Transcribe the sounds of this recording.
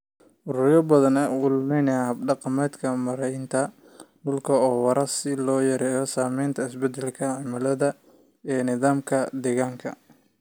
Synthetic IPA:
ʔʊɾʊːɾjɐbɐðɐnɛwʊlmɛnɐjahɐbɖɑqɑmɛːd̪kʰɐmɐɾɛjnt̪ʰɐ | ɖʊlkʰɐɔːwɑɾɐsɪlɔːjɐɾɛːjɔsaːmɛjnt̪ʰɐɪsbɛd̪ɛlkʰɐʕɪmɐlɐðɐ | ɛːnɪðaːmkʰɐd̪ɛːɣaːŋkʰɐ̰

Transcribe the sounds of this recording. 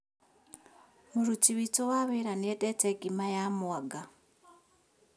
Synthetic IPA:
muɾut͡ʃiβit͡sowaβeɾanedeteɡimajamuwaɡa

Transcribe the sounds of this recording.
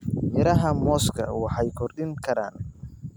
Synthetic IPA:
mɪɾɐɦɐmɔːskʰɐ̰wɑħɑjkʰɔrɗɪŋkʰɐɾa̰ːn

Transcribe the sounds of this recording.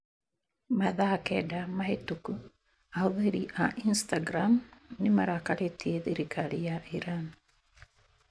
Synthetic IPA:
maðakɛdamahetuku | auðeɾiʔaʔinstaɡɾamnimaɾakaletieðiɾikʰaɾijaʔiɾan

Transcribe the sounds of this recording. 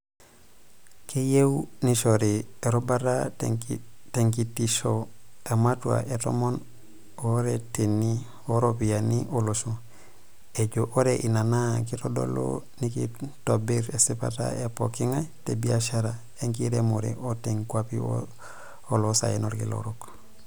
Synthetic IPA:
kijewuniʃoɾieɾobaɾa | teŋkitiʃoamatua̰ʔeto̰mon | oɾeteni | oɾopijaniʔolosu | eɟoʔoɾeʔinanakitodo̰lo̰nikḭtobiɾesipa̰ta̰epo̰kiŋatebiaʃaɾa | eŋkiɾemoɾḛʔoteŋkwapio̰ | olosa̰enoɾkḭlo̰ɾok

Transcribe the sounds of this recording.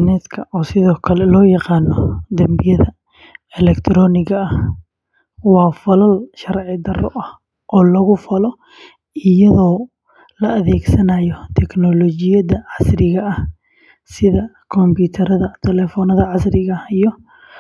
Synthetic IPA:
nɛːt̪kʰɐʔɔːsɪðɔːkʰɐlɛlɔːjɑqɑːnːɔd̪ɐmbɪjɐðɐ | ɛlɛkt̪ʰɾɔːnɪɣɐɐh | wɑːfɐlɐlʃɐɾʕɪd̪ɐrɔ̰ʔɐh | ʔɔːlɐɣʊfɐlɔ | ɪjɐðɔː | lɐʔɐðɛːɡsɐnajɔt̪ʰɛknɔlɔt͡ʃɪjɐdɐʕɑsrɪɣɐɐh | sɪðɐkʰɔmbiːt̪ʰɐɾɐðɐt̪ʰɛlɛːfɔːnɐðɐʕɑsrɪɣɐijɔ

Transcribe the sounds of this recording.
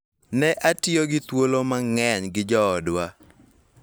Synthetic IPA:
nɛʔatɪoɡɪt̪wolomaŋɛɲɡɪd͡ʒɔːdwa

